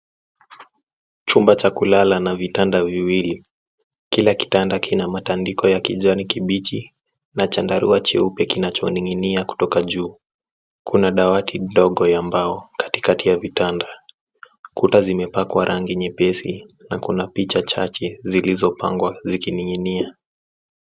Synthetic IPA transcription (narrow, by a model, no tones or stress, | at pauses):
t͡ʃumbat͡ʃakulalanavitandaviwili | kilaki̥tandakʰinamatandikɔjakiʄɔnikiɓit͡ʃi | nat͡ʃandaɾuat͡ʃɛupjɛkinat͡ʃɔniŋiniaku̥tɔkaʄuː | kʰunaɗawatʰidɔɠɔjambaɔkḁti̥katijavitanda | kutazimɛpakwaɾʔaŋɡiɲɛpɛsinakunapit͡ʃat͡ʃat͡ʃɛzilizɔpa̰ŋɡwazikiniŋinia